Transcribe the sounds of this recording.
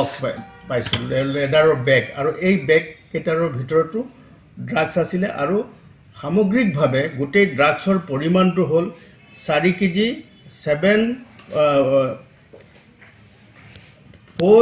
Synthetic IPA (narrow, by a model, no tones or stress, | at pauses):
ɔkpajsɔlɛdaɹɔɹbɛka̰ɹuʔejbɛkːetaɹɔɹbʱitɔɹɔtʊ | dɹaɡsasilɛʔa̰ɹu | xamɔɡɹik̚bʱabɛɡutejdɹaɡsɔɹpoɹimantʊɦol | saɹikidi | sɛbɛn | pʰo